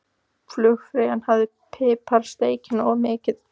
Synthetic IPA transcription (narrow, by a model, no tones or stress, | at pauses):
flʏxfɾɪːɣanhavðɪ | pʰɪːpʰaɾ̥st̪eːjcɪnɔɣmɪːcɪð